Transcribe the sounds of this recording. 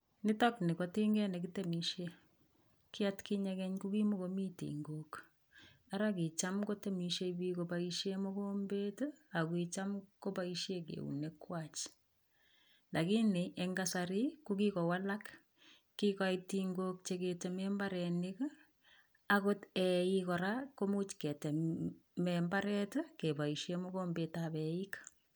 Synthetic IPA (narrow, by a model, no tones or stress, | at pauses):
nɪtɔknikotiŋɡɛnɛk̬itɛmiʃe | kɪatkiɲakɛɲkukimokomitḭŋɡok | aɾakit͡ʃamkotemiʃebikopaiʃjemokoːmbetakwit͡ʃamkopaiʃjekḛṵnekwat͡ʃ | ndakineʔeŋɡasaɾikukikɔwalak | kːikaitiŋɡok̚t͡ʃeketɛmɛmbaɾɛnɪk | akotɛikɔɾakomut͡ʃkɛtɛmɛmbaɾɛtkebaiʃemɔɣoːmbetabɛika